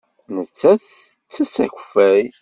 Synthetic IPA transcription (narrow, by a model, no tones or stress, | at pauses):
nət͡sːæθt͡sːæsæ̰çə̥fːæj